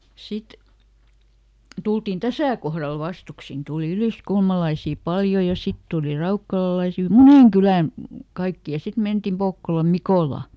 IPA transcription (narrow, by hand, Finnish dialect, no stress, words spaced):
sit tultin tæsæˑ kohrɑl ʋɑstuksin tuˑli yliskulmɑlɑisiˑ pɑljo jɑ sit tuːli rɑukːɑlɑlɑisi muneŋ kylæn kɑikːi jɑ sit mentim pokːolɑm mikoˑlɑ